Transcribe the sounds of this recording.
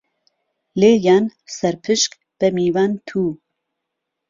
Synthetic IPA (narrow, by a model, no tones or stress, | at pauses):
leːjaːnsɛɾpʰɨʃk | b̥ɛmiːvaːnt̪ʰuː